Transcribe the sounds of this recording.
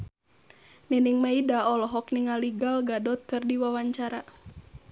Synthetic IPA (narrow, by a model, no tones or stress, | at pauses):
niniŋmaidaɔlɔɦɔkniŋaliɡalɡadɔt̪̚kɨrdiwawaɲt͡ʃaɾa